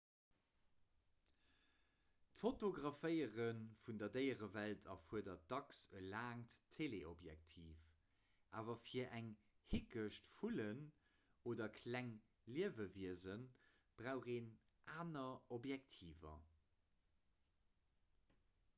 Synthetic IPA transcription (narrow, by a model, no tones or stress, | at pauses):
tfotoɡʁɑfəɪəʁənfundɐdəɪəʁəvæltʰɐfuədɐd̥ɑksəlaːŋttʰːeːleʔobjæ̰k̚tʰiːf | ʔaːvɐfiːɐʔæŋ | hikəʃtfulən | oːdɐkʰlæŋ | liəvəviəzən | b̥ʁaʊχeːn | ʔaːnɐobjɛk̚tʰiːvɐ̰